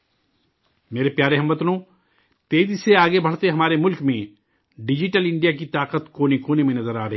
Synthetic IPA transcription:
meːɾepjaːɾeɦɐmbɐt̪nõ | t̪eːziseaːɡebʱɐɽ̤t̪eɦɐmaːɾemʊlkmẽ | ɖɪd͡ʒɪʈəlɪ̃ɳɖijak̬it̪aːqət̪koːnekoːnemẽnɐzəɾaːɾɐɦ

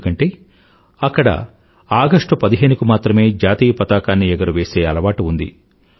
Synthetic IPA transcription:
kɐɳʈe̞ː | ɐkːɐɽɐ̰ | aːɡɐʂʈupɐd̪iɦe̞ːnukumaːt̪ɾɐme̞ːd͡ʒaːt̪iːjɐpɐt̪aːkaːnːiɛɡɐɾuʋe̞ːse̞ːɐlɐʋaːʈuund̪ḭ

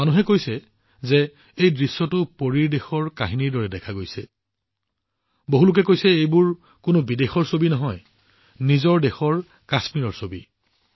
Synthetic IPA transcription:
manuɦɛkojsɛ | zɛ | ejdɹisːɔtʊpoɹiɹdexɔɹkaɦiniɹdɔɹɛdɛkʰaɡojsɛ̰ | boɦulʊk̬ɛkojsɛejbʊɹ | kʊnʊbidexɔɹsobinɔɦɔj | nizɔɹdexɔɹ | kasmiɹɔɹsobi

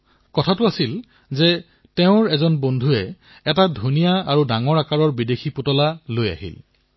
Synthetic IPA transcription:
kɔtʰatʊasil | zɛ | tɛʊ̃ɹɛzɔnbondʱuɛ | ɛtadʱunijaaɹudaŋɔɹakaɹɔɹbidexʰiputɔlaloja̰ɦḭl

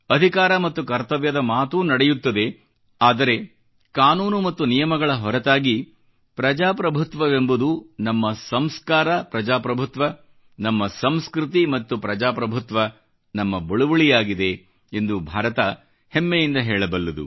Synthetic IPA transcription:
ɐd̪ʱikaːɾɐmɐt̪ːukɐɾt̪ɐʋjɐd̪ɐmaːt̪uːnɐɽejut̪ːɐd̪e̞ | aːd̪ɐɾe̞ | kaːnuːnumɐt̪ːunijɐmɐɡɐɭɐɦɔɾɐt̪aːɡi | pɾɐd͡ʒaːpɾɐbʱut̪ʋɐʋembud̪unɐmːɐsɐmskaːɾɐpɾɐd͡ʒaːpɾɐbʱut̪ʋɐ | nɐmːɐsɐmskɾut̪̬imɐt̪ːupɾɐd͡ʒaːpɾɐbʱut̪ʋɐ | nɐmːɐbɐɭuʋɐɭijaːɡid̪e̞ | end̪ubʱaːɾɐt̪ɐ | hemːejind̪ɐɦɛːɭɐbɐlːɐd̪ṵ

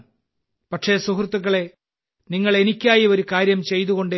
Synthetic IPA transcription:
pɐʈʂe̞sukrt̪ːuɣːɐɭe̞ | niŋːɐɭe̞nikʲːaːjio̞ɾukaːɾjɐmt͡ɕe̞jt̪uɣo̞ɳɖ

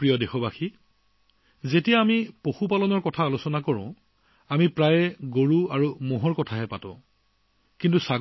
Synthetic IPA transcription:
pɹijɔdexɔbaxi | zetijaːmipoxupalɔnɔɹkɔtʰaːlusɔnakɔɹʊ̰̃ | amipɹajɛɡoɹuaɹumɔɦɔɹkɔtʰaɦɛpatʊ̰̃ | kintusaɡ

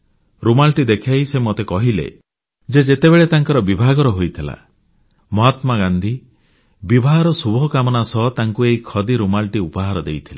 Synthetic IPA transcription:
ɾumalʈid̪ekʰajsemot̪ekɔɦilḛ | d͡ʒed͡ʒet̪ebeɭet̪aŋkɔɾɔbibʱaɡɔɾɔɦojt̪ʰila̰ | mɔɦat̪maɡand̪ʱi | bibʱaɦɔɾɔsubʱɔkamɔnasɔt̪aŋkueɦikʰɔd̪iɾumalʈiupɔɦaɾɔd̪ejt̪ʰile

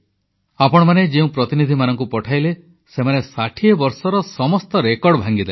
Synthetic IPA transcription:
apɔɽ̃ɔmaned͡ʒeũpɾɔt̪inid̪ʱimanɔŋkupɔʈʰajle | semanesaʈʰiɔbɔɾsɔɾɔsɔmɔst̪ɔɾekɔɾɽɔbʱaŋɡid̪a

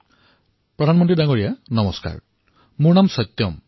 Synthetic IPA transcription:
pɾɔd̪ʱanmɔnt̪ɾidaŋɡɔɾijanʌmɔska̰ɾ | muɾnamsɔt̪ːjɔm

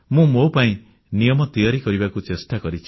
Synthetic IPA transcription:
mũmopaĩ | nijɔmɔt̪iɔɾikɔɾibakut͡ʃesʈakɔɾit͡ʃʰi̥

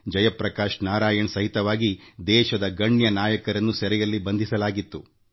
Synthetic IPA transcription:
d͡ʒɐjɐpɾɐkaːʃnaːɾaːjɐɳsɐɦit̪ɐʋaːɡid̪ɛːʃɐd̪ɐɡɐɳjɐnaːjɐkɐɾɐnːusɛɾɛjɐlːibɐnd̪isɐlaːɡit̪ːu

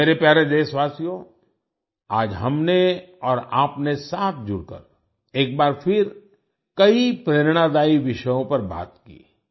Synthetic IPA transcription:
meːɾepjaːɾed̪eːsʋaːsijõ | aːd͡ʒɦɐmne | ɔːɾaːpnesaːt̪ʰd͡ʒʊɾkə̰ɾ | eːk̚baːɾfʰɪɾ | kɐipɾeːɾɽ̃ad̪aːiʋɪʃəjõpɐɾba̰ːt̪kḭː

